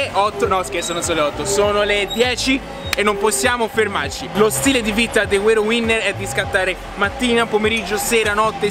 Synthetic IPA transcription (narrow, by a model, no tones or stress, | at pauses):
ɔt̪ːonɔskesoːnosoːleɔt̪ːosoːnoled̪jɛːt͡ʃi | enːomposːjaːmoferma̰rt͡ʃilost̪iːled̪ivit̪ad̪eweɾowinːeɾɛd̪iskat̪ːaːɾe | mat̪ːiːnapomeɾid͡ʒːoseːɾanɔt̪ːe